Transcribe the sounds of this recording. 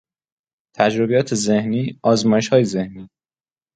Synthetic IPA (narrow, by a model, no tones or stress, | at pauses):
t̪ʰæd͡ʒɾo̞bejɒːt̪ʰe̞ze̞hniːɒːzmɒːjeʃhɒːjeze̞hniː